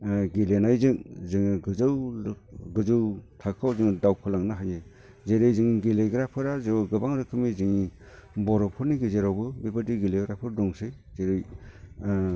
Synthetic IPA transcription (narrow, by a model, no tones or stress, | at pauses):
ɡilenajzɯŋzɯŋɡɯzɯw | ɡɯzɯwtʰakʰːawzɯŋdawkʰɯlaŋnaɦajne | zeɾɯjzɯŋɡileɡɾapʰɯɾazeɡɯbaŋzɯkʰɯmizɯŋi | bɔɾɔpʰɔɾniɡɯzeɾawbɯbibɯdiɡileɡɾapʰɯɾdɔŋsɯjzeɾɯj